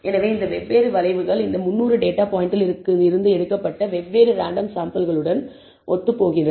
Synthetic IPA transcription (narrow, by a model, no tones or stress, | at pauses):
ɛnɐʋeːɪnd̪ɐʋɛʋːeːɾɯʋɐlɐɪʋɯɣɐɭɪnd̪ɐmʊnːuːɾɯɖeːʈːaːpaːjɪɳʈɪlɪɾɯkːɯɪɾɯnd̪ɯɛɽɯkːɐpːɐʈːɐʋɛʋːeːɾɯɾaːɳɖɐmsaːmpɐlɣɐɭɯɽɐn | ʔɔ̰t̪ːɯpoːɣɪndrɐ